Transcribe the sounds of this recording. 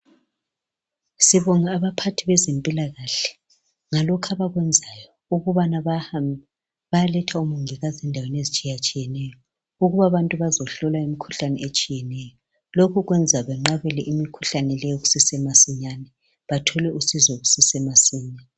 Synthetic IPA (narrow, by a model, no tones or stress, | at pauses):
siβɔŋaːβapʰatʰiβɛzempʼilaɣaɬɛ̥ | ŋalɔkʰaβaɣwɛnd͡zʱajɔ | uɣuβana | βajalɛtʰaumuŋiɣazɛndʱawenezit͡ʃʼijat͡ʃʼijɛnɛjɔ | uɣuβaβantʼuβazɔɬɔlaimikʰu̥ɬanɛet͡ʃʼijɛnɛjɔɔ | lokʰuɣwɛnd͡zʱaβɛŋ͡ǃaβɛlɛʔimikʰuɬanɛlɛjɔɣu̥sisɛmasiɲanɛ | βatʰɔlɛusizɔɣusisɛmasiːɲɛ